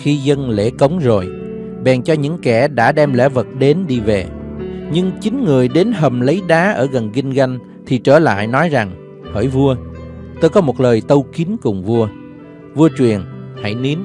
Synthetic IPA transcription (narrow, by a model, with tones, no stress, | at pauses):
xi˧zə˧nlḛ˧˩kə˨˦wŋ͡mzo˨˩j | ɓɛ˨˩ŋt͡ɕɔ˧ɲɨ̰˧˥ŋkɛ˧˩ɗa̰ː˧˥ɗɛ˧mlɛ̰˧˥˩və˨˩t̚ɗe˨˦nɗi˧ve˨˩ɲɨ˧ŋt͡ɕï˨˦ŋ̟ŋɨ˨˩əjɗe˨˦nɦə˨˩mlə˨˦jɗaː˨˦ʔəː˧˩ɣə˨˩nɣi˧ŋ̟ɣa˧jŋ̟ | t̪ʰi˨˩t͡ɕəː˧˩la̰ː˧˨jnɔ˨˦jza˨˩ŋ | həː˧˩jvu˧ə | t̪oː˧jkɔ˨˦mo˨˩t̚ləː˨˩jt̪ə˧wki˨˦nkʊ˨˩ŋ͡mvu˧ə | vu˧ət͡ɕwi˨˩ənha̰˧˩jni˨˦ən